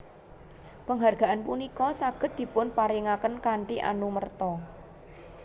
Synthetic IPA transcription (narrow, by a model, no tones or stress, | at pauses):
pəŋɦarɡ̥a̤ʔanpunikɔsaɡ̥ə̤t̪̚d̪̥i̤pʊnpaɾiŋakənkaɳʈiʔa̰numərt̪ɔ